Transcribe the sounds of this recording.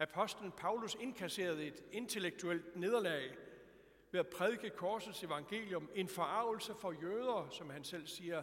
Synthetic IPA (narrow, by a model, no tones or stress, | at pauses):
æpʰɒ̽sd̥ln̩pʰɑ̈ʊluse̝nkʰæse̝̰ːɐð̞̩ˠe̝d̥e̝nt͡sʰe̝leɡ̥̚t͡sʰuel̰d̥ne̝ð̞ˠɐlɛɪ | ʋe̝æpʰʁɛð̞ˠɡ̥əkʰɒːsð̩ˠse̝ʋɑ̈ŋɡ̥e̝̰ːljɔ̽me̝nfɒɑ̈ʊ̰l̩səfɒ̽jøːð̞ˠɐːsɒ̽mhænsel̰siːɐ